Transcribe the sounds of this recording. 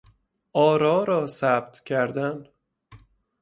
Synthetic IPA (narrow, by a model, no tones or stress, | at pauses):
ɒːɾɒːɾɒːsæb̥̚t̪ʰcʰæɾd̪æn